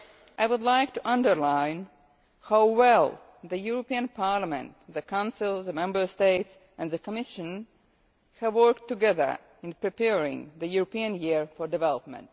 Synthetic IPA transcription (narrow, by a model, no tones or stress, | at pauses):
ʔajwʊdlaɪk̚tuʔʌ̃ndə˞lãɪ̃n | haʊwɛlˠ | ðəjuɹɔpĩɨ̃npʰɑɹlamɛ̰̃ntðəkʰãʊ̃nsɪlˠðəmɛ̃mbə˞steɪts | ʔæ̃nðəkʰɔmɪʃɨ̃n | hævwɜ˞ktːɨɡɛðə̰˞ | ɪ̃npɹipɛɹɪ̰̃ŋðɨjuɹopĩɨ̃njiɹfɔɹdɨvɛlˠɔp̚mɛ̰̃nt̚